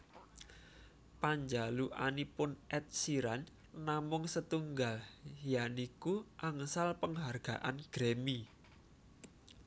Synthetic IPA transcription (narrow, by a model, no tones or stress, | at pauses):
paɲd͡ʒaluʔanipʊnʔɛt̪̚siɾanː | amʊŋsət̪uŋɡaljanikuʔaŋsalpəŋɦarɡ̥a̤̰ʔanɡ̥ɾemi